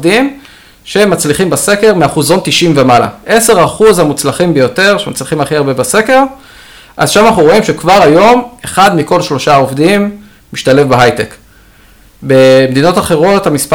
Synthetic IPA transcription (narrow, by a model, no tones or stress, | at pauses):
dim | ʃemːat͡sliχimbase̞ke̞ʁmeaχuzo̞nt̪iʃimvemala̰ʔe̞se̞ʁaχuzhamut͡slaχimbejo̞te̞ʁʃemat͡sliχimaχiaʁbe̞base̞ke̞ʁ | ʔa̰zʃamanaχnuʁo̞imʃekvaʁajo̞meχad̪miko̞lʃlo̞ʃaovdimː | iʃtale̞fbeɦajtek | bemed̪ino̞taχe̞ʁo̞thamispa